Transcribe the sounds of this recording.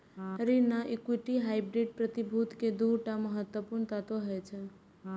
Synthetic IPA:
ɾinaʔikwiʈiɦajbɾiɖ̚pɾət̪ibʱut̪ked̪uɾʈaməɦət̪wəpuɾɳt̪at̪oɦɔjt͡ʃʰɛ

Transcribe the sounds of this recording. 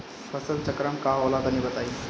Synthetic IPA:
fʰəsəlt͡ʃəkɾamkaolad̪anibət̪aiː

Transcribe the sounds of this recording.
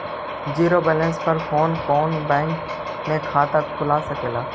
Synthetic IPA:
d͡ʒiːɾoːbɛːlə̃nspəɾfoːnfoːnbɛ̃ːŋk | mẽkʰaːt̪akʰʊlaːsəkeːlaː

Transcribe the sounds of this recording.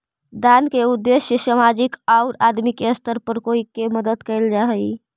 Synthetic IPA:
d̪ankeud̪ːesjəsəmad͡ʒikaʊɾad̪mikeəst̪əɾpəɾkoikːeməd̪əd̪kəɪld͡ʒaɦəj

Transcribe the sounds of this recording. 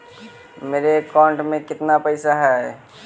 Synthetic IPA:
meːɾekɔ̃ːɳʈmẽkɪt̪napəɪsaɦɛ

